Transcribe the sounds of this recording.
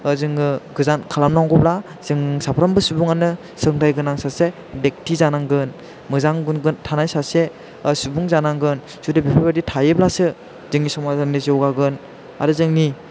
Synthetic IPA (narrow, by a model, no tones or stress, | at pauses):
zɯŋɯɡɯzankʰalamnaŋɡɔbla | z̥ɯŋsapʰɾambɯsubuŋanɯ | sɯŋtʰajɡɯnaŋsase | dek̚tʰizanaŋɡɯn | mɯzaŋɡɯnɡɯntʰanajsase | subuŋzanaŋɡɯn | sudebipʰabaditʰajɯblasɯ | zɯŋnisɔmazanizɯwɡaɡɯn | a̰ɾɯzɯŋni